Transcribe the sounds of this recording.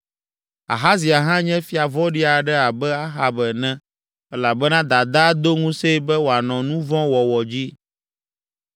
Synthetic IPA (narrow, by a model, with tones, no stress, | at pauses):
a̰˨ɦa˦zi˨a˨ɦã˦ɲɛ̃˦fi˦a˨vɔ˦ɖi˦a˨ɖɛ˦a˨bɛ˦a˦xa˨bɛ˨nɛ̃˦ | ɛ˦la˨bɛ˦nã˦d̪a˨d̪a˦d̪o˦ŋũ˦se˦bɛ˦wo˨a˨nɔ̃˨nũ˦vɔ̃˦wɔ˨wɔ˨d͡ʑi˦